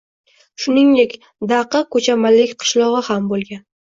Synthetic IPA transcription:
ʃʊnɪŋd̪e̞kʲ | d̪aqɨkʰɵt͡ʃʰamalɪkʲqʰɨ̥ʃlˠɒʁɨhambolˠɡʲan

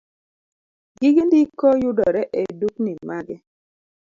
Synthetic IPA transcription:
ɡiɡindikɔjudɔɾɛʔeduknimaɡɛ

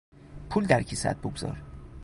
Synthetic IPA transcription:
pʰuld̪æɾcʰisæ̰t̪̚boɡzɒ̰ɾ

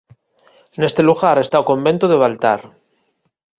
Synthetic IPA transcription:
nest̪e̞luɣaɾe̞st̪aokõ̞mbe̞nt̪oðeβ̞alt̪a̰ɾ

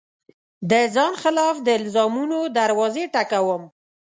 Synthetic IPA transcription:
d̪əzɑnxɪlɑfd̪əɪlzɑmunod̪aɾwɑzeʈakawəm

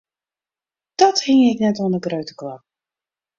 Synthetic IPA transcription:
d̥ɔthɪŋɪknɛtɔnəɡrœɥtəkla

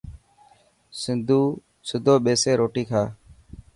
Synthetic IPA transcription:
sɪnd̪ʱuː | sʊd̪ʱoːɓeːseːɾoːʈiːkʰaː

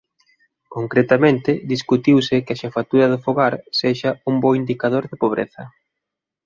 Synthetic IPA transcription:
koŋkɾet̪amẽnt̪ɪðiskut̪iwsɪkɪɐʃafat̪uɾɐðʊfoɣaɾseʃɐumboind̪ikaðoɾðɪpoβ̞ɾḛθɐ

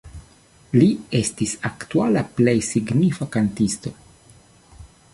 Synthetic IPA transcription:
lie̞stisaktualaple̞jsiɡnifakantisto̞

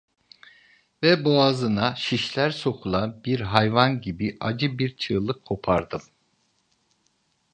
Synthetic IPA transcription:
vɛboazɯnaʃiʃlʲæɾso̞kʰulˠanbiɾɦajvanɟibiʔad͡ʒɯbiɾt͡ʃʰɯːlˠɯkʰːo̞pʰaɾd̪ɯm

